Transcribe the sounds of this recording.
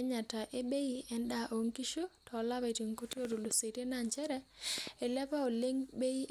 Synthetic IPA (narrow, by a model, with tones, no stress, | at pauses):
ɲa˨ta˨ʔe˦be˦i˦ɛ˨nda˦˨ʔo˨ŋki˦ʃo˦tʰɔ˨˦la˦βa˨ti˨ŋku˦tjo˦ɾo˨lo˨se˨ɾe˦na˨ɲt͡ʃɛ˦ɾɛ˦e˨lɛ˦pa˦o˨le˦ŋbe˦i˦